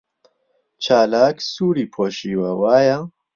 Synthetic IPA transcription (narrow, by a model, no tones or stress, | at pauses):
t͡ʃʰaːlaːksuːɾiːpʰoːʃiːwɐwaːjɐ